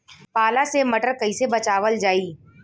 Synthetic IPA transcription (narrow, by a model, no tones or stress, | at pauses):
paːlasemɐʈəɾkɐisebɐt͡ʃaːʋəld͡ʒaːiː